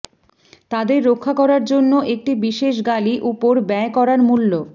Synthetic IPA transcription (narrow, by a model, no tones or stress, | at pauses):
t̪ad̪eɾːokʰːakɔɾaɾd͡ʑonːoʔek̚ʈibiʃeʃ̬ɡaliʔupoɾbɛekɔɾaɾmulːo